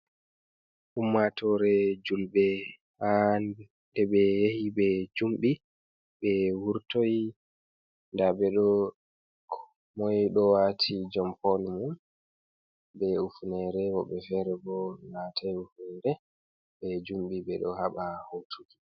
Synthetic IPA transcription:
ʔumːatʰɔɾɛd͡ʒulbɛ | han | ɗɛɓɛjehibɛd͡ʒumɓi | ɓɛwuɾtoj | ndabɛɗɔ | kʰ | mɔjɗɔwatʰid͡ʒɔmpɔnmun | bɛufunɛɾɛwɔɓɛfɛɾɛbɔlaːtʰajufndɛ | bɛd͡ʒumɓibɛɗɔhaɓahotʰuɡi

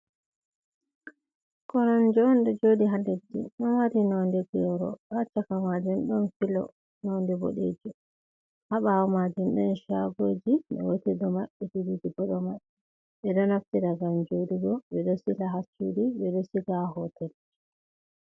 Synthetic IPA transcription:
kɔnɔnd͡ʒɔːndɛd͡ʒodiɦalːed͡ʒḭɗɔnwaɾinɔndɛɡjɔɾɔ̰ɓat͡ʃːakamad͡ʒɛnɗɔnfilɔ̰ | nɔndɛbo̰ɗḛd͡ʒu | haɓawɔmad͡ʒɛnɗɛnʃaɡoːd͡ʒiɓɛ̰wotɛdɔmaɓːɛd͡ʒuɾid͡ʒiɡɔɗɔmaɓɛ | ɓɛɗɔnaftiɾaɡamd͡ʒodiɡɔɓɛɗɔsilahasṵdiɓɛɗɔsiɡaɦɔtɛl

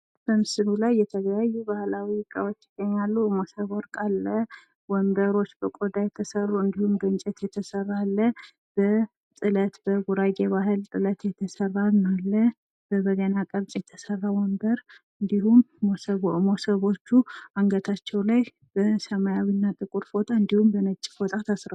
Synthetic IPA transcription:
b̥əmɨsɨlulajːɛt̪ʰəɡəjajːubahlawikʼːəwot͡ʃːɪɡ̥ːəɲːalːumosəβoɾkʼalːə | wɔnd̪əɾo̞t͡ʃːbəkʼod̪ajɛt̪ʰəsərːuɨnd̪ihumɡɨnt͡ʃʼɛt̪jɛt̪ʰəsərːalːə | b̥ə | t̪ʼɨlət̪bəɡuɾaɡeβaɦɨlt̪ʼɨlət̪jɛt̪ʰəsərːalnalːə | b̥əbəɡənakʼəβt̪ʼjɛt̪ʰəsərːawɔnd̪əɾ | ɨnd̪ihum | mosəβo̞t͡ʃːuaŋɡət̪ʰat͡ʃːɛwlaj | b̥əsəmajawinːat̪ʼɨkʼuɾfo̞t̪ʰaɨnd̪ihumbənət͡ʃʼːi̥fot̪ʼat̪ʰasɾə

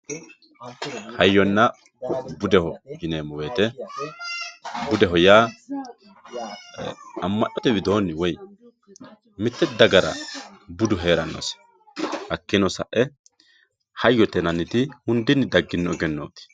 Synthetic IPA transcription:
hɐjːɔnːɐ | bʊd̪ɛhɔd͡ʒɪneːmːɔweːt̪ɛ | bʊd̪ɛɦɔjaː | ɐmːɐʔɔt̪ɛwɪd̪o̞ːnːɪwɔj | mɪt̪ːɛd̪ɐɡɐɾɐ̰bʊd̪ʊɦeːɾɐnːɔ̰s | hɐkːɪnɔsɐ̰ʔːɛ | hɐjːɔt̪ɛnɐnːɪt̪ɪhʊnd̪ɪnːɪd̪ɐɡːɪnːɔɛɡɛnːo̰ːt̪ɪ̥

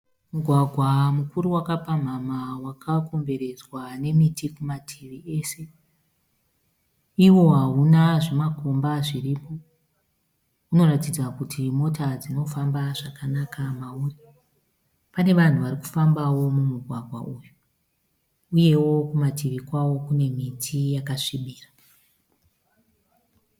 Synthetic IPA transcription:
muɡʱwaɡʱwamukuɾuwakapam̤amawakʰako̞mbe̞ɾe̞d͡zwane̞mitikumatʰiʋie̞ːse̞ | iwo̞ɦaɦunaʐemako̞mbaʐiripo̞ | uno̞ɾatid͡zakutʰimo̞tad͡zino̞fambaʐakanakamauːri | pane̞ʋan̤uʋaɾiku̥fambawo̞mumuɡʱwaɡʱwa̰ʔuju | uje̞wo̞kumatiʋikwawo̞kune̞mitʰijakaʂiɓiːra

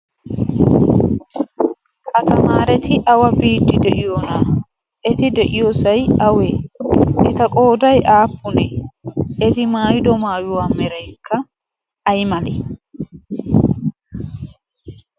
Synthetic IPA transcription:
hɐt̪ɐmaːɾɛt̪ɪʔɐwɐbiːd̪ːɪd̪ɛʔɪjoːna | ʔɛt̪ɪd̪ɛʔɪjoːsɐjɐweːʔɪt̪ɐkʼo̞ːd̪ɐjʔaːpːʊnɛːɛt̪ɪmaːjɪd̪ɔmaːjʊwaːmɛɾɐjkːɐː | jmɐlɛ̰

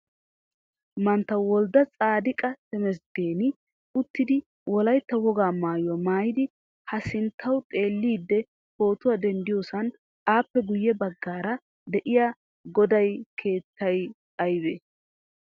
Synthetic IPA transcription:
mɐnt̪ːɐwwɔld̪ɐt͡sʼaːd̪ɪkʼɐtɛmɛsd̪e̞ːnɪ | ʊt̪ːɪd̪ɪ | wɔlɐjt̪ːɐwɔɡaːmaːjʊwɐmaːjɪd̪ɪ | hɐsɪnt̪ʰːɐwt̪ʼe̞ːlːiːd̪ːɛ | ho̞ːt̪ʊwad̪ɛnd̪ɪjoːsɐn | aːpːɛɡʊjːɛbɐɡːaːɾɐ | d̪ɛʔɪja | ɡɔd̪ɐjkʰe̞ːt̪ːɐj | ɐjbeː

